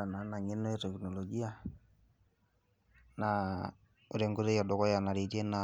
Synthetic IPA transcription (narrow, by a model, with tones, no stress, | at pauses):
a˨na˨na˨ŋɪ˦nːɔ˦jtɛ˨kno˨lo˨ɡi˦a˦ | na˨ | ʊ˨ɾɛ˨ŋɡo˦ɾe˦jɔ˨dɔ˨kɔ˦ja˨na˨ɾi˨te˦na